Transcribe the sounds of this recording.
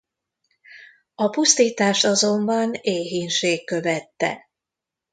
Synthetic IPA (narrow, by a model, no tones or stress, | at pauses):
ɒpust̪iːt̪aːʃt̪ɒzo̞mbɒneːɦinʃeːkːø̞vɛt̪ːɛ̰